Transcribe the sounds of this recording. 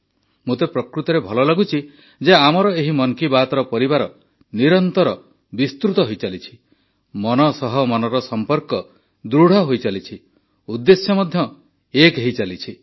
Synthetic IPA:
mũt̪epɾɔkɾut̪ɔɾebʱɔlɔlaɡut͡ʃʰi | d͡ʒeamɔɾɔeɦimɔŋkibat̪ɔɾɔpɔɾibaɾɔ | niɾɔnt̪ɔɾɔ | bist̪ɾut̪ɔɦojt͡ʃalit͡ʃʰi̥ | mɔnɔsɔɦɔmɔnɔɾɔsɔmpɔɾkɔ | d̪ɾuɽ̤ʱɔɦojt͡ʃalit͡ʃʰi | ud̪ːesjɔmɔd̪ʱjɔ | ekeɦit͡ʃalit͡ʃʰi

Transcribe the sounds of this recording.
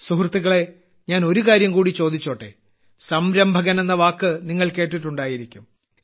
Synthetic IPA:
suhrɐt̪ːuɣɐɭe̞ | ɲaːno̞ɾukaːɾjɐmkuːɽit͡ɕo̞ːd̪it͡ɕːo̞ːʈːḛ | sɐmɾɐmbʱɐɣɐnenːɐʋaːkːɨniŋːɐɭke̞ːʈːiʈːuɳɖaːjiɾikʲːum

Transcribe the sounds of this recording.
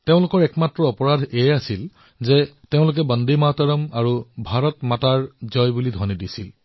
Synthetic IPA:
teʊ̃lʊkɔɹɛkmatɹɔɔpɔɹadʱeasil | zɛteʊ̃lʊk̬ɛbɔndimatɔɹɔmaɹubʱaɹɔtmataɹzɔjbulidʱɔnidisil

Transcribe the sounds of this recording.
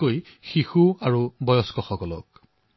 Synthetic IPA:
koj | xixuaɹubɔjɔskɔxɔkɔlɔ̰k̚

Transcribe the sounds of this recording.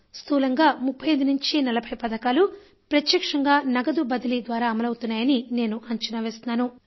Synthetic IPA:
st̪ʰuːlɐŋɡaːmupʰːɐjɐd̪unuɲt͡ʃinɐlɐbʱɐjpɐd̪ɐkaːlu | pɾɐt̪jɐkʂɐŋɡaːnɐɡɐd̪ubɐd̪ɐlid̪ʋaːɾaːɐmɐlɐwut̪unːaːjɐnine̞ːnuʔɐɲt͡ʃɐnɐʋeːst̪unaːnu

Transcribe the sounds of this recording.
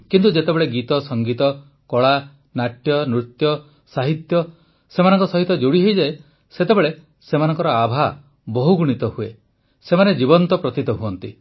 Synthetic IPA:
kint̪ud͡ʒet̪ebeɭeɡit̪ɔsɔŋɡit̪ɔ | kɔɭa | naʈjɔnɾut̪jɔ | saɦit̪jɔ | semanɔŋkɔsɔɦit̪ɔd͡ʒoɽiɦejd͡ʒae | set̪ebeɭe | semanɔŋkɔɾɔabʱa | bɔɦuɡuɽ̃it̪ɔhue | semaned͡ʒibɔnt̪ɔpɾɔt̪it̪ɔɦuɔnt̪ḭ

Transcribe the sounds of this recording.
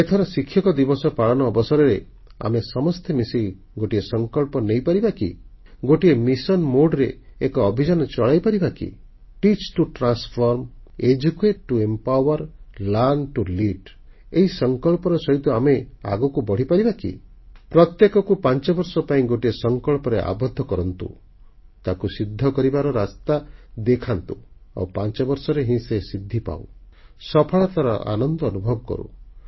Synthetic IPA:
et̪ʰɔɾasikʰːjɔkɔd̪ibɔsɔpaɭɔnɔːbɔsɔɾɔɾe | a̰mesɔmɔst̪ʰemisi | ɡoʈiesɔŋkɔɭpɔnejpaɾibakḭ | ɡoʈiemisɔnmoɖɾeekɔːbʱid͡ʒanɔt͡ʃɔɭajpaɾibakḭ | ʈit͡ʃʈuʈɾanspʰɔɾmed͡ʒukeʈ̚ʈuempawɔɾlanʈuliʈ | eɦisɔŋkɔɭpɔɾɔsɔɦit̪ɔamea̰ɡɔkubɔɽ̤ipaɾibakḭ | pɾɔt̪jekɔkupant͡ʃɔbɔɾsɔpaĩɡoʈiesɔŋkɔɭpɔɾeʔa̰bɔd̪ʱːɔkɔɾɔnt̪ṵ | t̪akusid̪ʱːɔkɔɾibaɾɔɾast̪ad̪ekʰant̪ua̰wpant͡ʃɔbɔɾsɔɾeɦĩsesid̪ʱːipa̰wsɔpʰɔɭat̪aɾɔ̰ʔa̰nɔnd̪ɔːnubʱɔbɔkɔ̰ɾṵ

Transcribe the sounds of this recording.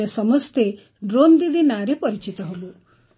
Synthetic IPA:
esɔmɔst̪e | ɖɾond̪id̪ʱinaɾepɔɾit͡ʃit̪ɔɦolu

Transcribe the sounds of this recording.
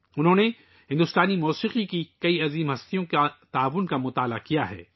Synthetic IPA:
ʊnɦõːne | ɦɪ̃nd̪ʊst̪aːnimɔːsiːqikikɐiɐziːmɦɐst̪ijõkat̪aːʋʊnkamʊt̪aːla̰kijaɦɛ̰ː

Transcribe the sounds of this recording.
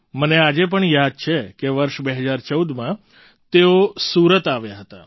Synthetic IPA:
mənead͡ʒep̬əɳjad̪̚t͡ʃʰekeʋəɾʃbeɦəd͡ʒaɾt͡ʃəud̪mã | t̪eosuɾət̪aʋjaɦət̪a̰

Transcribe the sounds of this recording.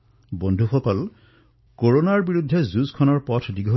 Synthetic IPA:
bondʱuxɔkɔl | koɹonaɹbiɹudʱːezuzkʰɔnɔɹpɔtʰdiɡʱo

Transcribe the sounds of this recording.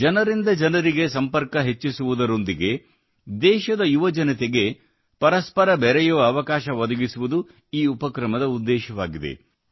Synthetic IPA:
d͡ʒɐnɐɾind̪ɐd͡ʒɐnɐɾiɡe̞sɐmpɐɾkɐɦet͡ʃːisuʋud̪ɐɾo̞nd̪iɡe̞ | d̪ɛːʃɐd̪ɐjuʋɐd͡ʒɐnɐt̪eɡe̞ | pɐɾɐspɐɾɐbɛɾɛjuʋɐːʋɐkaːʃɐʋɐd̪ɐɡisuʋud̪u | iːupɐkɾɐmɐd̪ɐud̪ːɛːʃɐʋaːɡid̪e̞̰

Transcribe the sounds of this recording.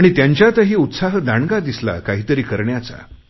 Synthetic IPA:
ɽ̃it̪jaɲt͡ɕjat̪əɦiːut̪saɦd̪aɳɡad̪isla̰kaɦiːt̪əɾiːkəɾɳjat͡sa̰

